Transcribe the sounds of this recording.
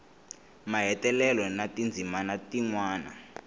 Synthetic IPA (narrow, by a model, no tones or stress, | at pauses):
maɦɛtɛlɛlɔnatind͡zʱimanatiŋwaːna̰